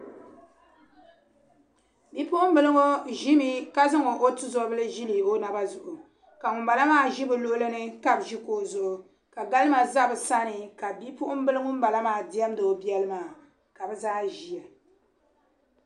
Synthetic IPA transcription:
bi˦pʊ˦ʔʊ˦m̩˦bɨ˨lɨ˦ŋo˦ʒi˦mi˦ka˦zɨ˦ŋo˨ʔo˦tu˦zɔ˨˦bɨ˦lɨ˦ʒi˦li˨bo˦na˨ba˦zʊ˨ʔʊ˨ | ka˨ŋʊ˨mba˨la˦maː˦˨ʒi˦bɨ˨lo˦lɨ˦nɨ˦ka˦bʒi˦koː˦zʊ˨ʔʊ˨ | ka˨ɡa˦lɨ˦ma˨za˦bɨ˨sa˦nɨ˨ka˨bi˦pʊ˦ʔʊ˦m˦bɨ˦lɨ˦ŋʊ˦m̩˦ba˨la˦maː˦˨di˦ɛ˦m˦do˨bi˦ɛ˦lɨ˦maː˨ | ka˨bɛ˦zaː˦ʒi˨a˨

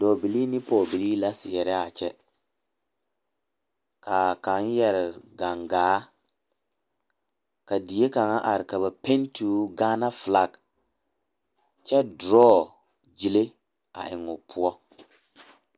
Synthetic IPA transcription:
dɔ˨bi˨liː˦nɪ˦pɔː˨bi˨liː˦la˦sɪ˨ɛ˨ɾɛ˦a˨t͡ʃɛ˦ | ka˨ka˨˦n˦jɛ˨ɾɪ˨ɡa˨ŋɡaː˨˦ | ka˨di˨˦e˦ka˨ŋa˦ʔa˨ɾɪ˨ka˨βa˨pe˦n˦tʰu˨˦ɡaː˦na˦fla˦˨ɡ | t͡ʃɛ˦dɾɔː˦˨ | d͡ʒi˨le˦ | a̰˨ʔɪ˨ŋʊ˨pʰʊ˦ɔ˦

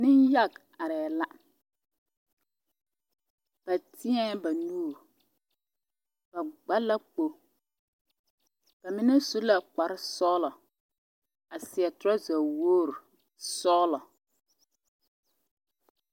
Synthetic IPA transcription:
nɪ˦nja˦˨k | a˨ɾɛː˨la˦ | b̥a˨tʰɪ˦ɛ˦ba˨nuː˦˨ɾ | b̥a˨ɡ͡ba˦la˦k͡po˨ | b̥a˨mɪ˦nɛ˦su˦la˨k͡pa˨ɾɪ˦sɔː˦lɔ˨ | a˨sɪ˨ɛ˨tʊ˦ɾa˦za˨woː˦˨ɾ | sɔː˦lɔ˨

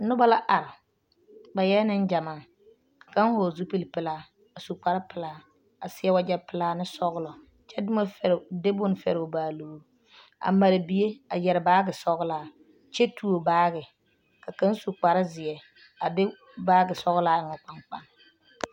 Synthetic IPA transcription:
nʊ˦ba˦la˦ʔa˨ɾɪ˨ | ba˨jɛ˦nɪ˦nd͡ʒa˨maː˨ | ka˨ka˦ŋ˦hoː˨zu˦pi˦˨lpɪ˨laː˦ | a˨su˨k͡pa˨ɾɪ˦pɪ˨laː˨ | a˨sɪ˦ɛ˦wa˦d͡ʒɛ˦pɪ˨laː˦nɪ˦sɔ˦ɣlɔ˨ | t͡ʃɛ˦dʊ˦ma˦fde˦bʊ˦n˨fɛ̰˨ɾɪ˨ʊ˨baː˨loː˨ | a̰˨ma˨ɾɪ˨bi˨e˦a˨jɛ˨ɾɪ˨baː˦ɡɪ˨sɔ˦ɣlaː˦ | t͡ʃɛ˦tʰu˦o˨baː˦ɡɪ˨ | ka˨ka˦n˦su˨k͡pa˨ɾɪ˦zɪ˨jɛ˨ | a˨dɪ˦ | baː˦ɡɪ˨sɔ˦ɣlaː˦ɪ˨ŋɔ˨k͡pa˨˦ŋk͡pa˦ŋ

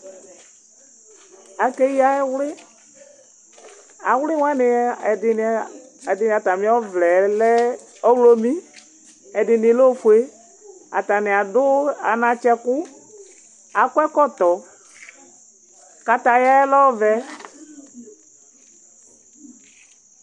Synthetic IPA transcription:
a˨ke˦ji˦a˦ɛ˦wlɪ˦ | a˨wlɪ˦wa˦nɪ˨˦ɛ˨dɪ˨n˨ | ɛ˨dɪ˨nɪ˨a˨t̪a˨mĩ˨˦ɔ˦vlɛ˨lɛ˦ | ɔ˦wlo˦mĩ˦ | ɛ˨dɪ˨nɪ̃˨˦lo˦fu˨e˦ | a̰˨t̪a˨nɪ˨a˨dʊ˦a̰˨nã˨t͡ʃɛ˦kʊ˦ | a˨kʷɛ˦kɔ˦t̪ɔ˨ | ka˨t̪a˨ja˦ɛ˦lɔ˦vɛ˨

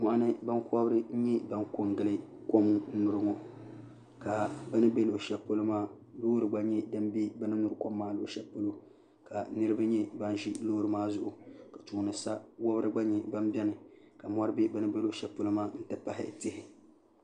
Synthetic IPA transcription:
mɔ˨ʔa˦nɨ˦ba˦nkɔ˦bɾɨ˦n̩˦ɲɛ˦ba˦nko˨ŋɡɨ˨lɨ˦ko˦m̩˦nʊ˨ɾɨ˦ŋɔ˨ | ka˨bɛ˦nɨ˦be˦lo˨ʃɛ˦po˦lo˦maː˦ | lo˦ɾɨ˨ɡ͡ba˦ɲɛ˦dɨ˦m˦bi˦ba˦nɨ˦nʊ˨ɾɨ˦ko˦mːaː˦lo˨ʃɛ˦po˦lo˦ | ka˨nɨ˦ɾɨ˦ba˦ɲɛ˦ba˦n˦ʒi˦loː˦ɾɨ˨maː˦zʊ˦˨ʔʊ˨ka˨tu˨ŋ˨nɨ˨sa˦wɔ˦bɾɨ˦ɡ͡ba˦ɲɛ˨ba˦m˦bʲɛ˦nɨ˨ka˨mɔ˦ɾɨ˦bi˦bɨ˦nɨ˦be˦lo˨ʃɛ˨po˦lo˦maː˦n̩˦tɨ˦pa˨hɪ̰˦tɪ˦hɪ˨

